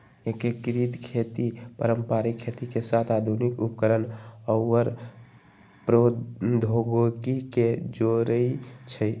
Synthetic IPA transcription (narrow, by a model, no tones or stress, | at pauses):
ekekɾid̪kʰet̪ipə̰ɾəmpaɾikʰːet̪ikesat̪ʰad̪ʱunikupəkəɾənəwːəɾ | pɾod̪ʱoɡokiked͡ʒoɾəit͡ʃʰəj